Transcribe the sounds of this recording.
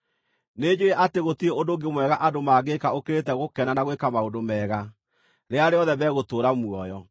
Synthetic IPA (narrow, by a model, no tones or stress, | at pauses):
ned͡ʑeɾeʔateɣotieodoɡemwɛɣaʔadomaːɣekaokeɾet̬ɛɣokɛnanaɣwekamaondomɛɣa | ɾeaɾeɔðɛβɛɣotoːɾamwɔjɔ